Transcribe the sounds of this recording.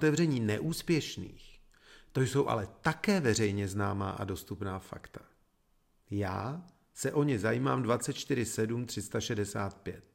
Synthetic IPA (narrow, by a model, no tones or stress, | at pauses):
t̪ɛvrɛɲiːnɛʔuːspjɛʃnḭːx | t̪ojso̞wʔa̰lɛt̪akɛːvɛrɛjɲɛznaːma̰ːʔa̰dost̪upnaːfa̰kt̪ḁ | jaː | sɛʔo̞ɲɪzajiːmaːmdvatt͡sɛt̪̚t͡ʃt̪ɪɾ̝ɪsɛdumt̪r̥ɪst̪aʃɛdɛsaːt̪̚pjɛt̪̚